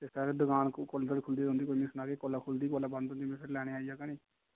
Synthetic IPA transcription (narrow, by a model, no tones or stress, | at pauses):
t̪esɛɾd̪ʊkaːnkold̪əɽkʰʊld̪iːd̪õːnd̪iːkoːimĩːsʊnaːkeːkoːlaːkʰʊld̪iːkoːlabə̃nd̪ɦõnd̪iːmɛ̃sɾlɛːɽ̃eːaːiaːkaniː